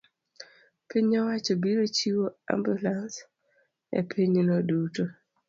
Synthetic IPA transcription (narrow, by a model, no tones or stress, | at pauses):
piɲɔwat͡ʃɔbiɾot͡ʃiwoa̰mbjulans | ḛpʰiɲinɔduto